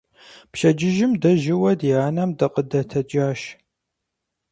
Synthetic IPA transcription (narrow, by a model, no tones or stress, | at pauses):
pʃɐd͡ʒɪʒɪmdɐʒɪwɐdjaːnɐmdɐqədɐtʰɐd͡ʒʼaːʃ